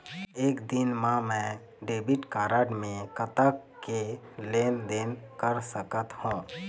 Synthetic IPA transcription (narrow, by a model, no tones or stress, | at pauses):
eːkd̪ɪnmãmɛ̃ː | ɖeːbɪʈkaːɾaːɖmẽkət̪akeleːnd̪eːnkəɾsəkət̪hũː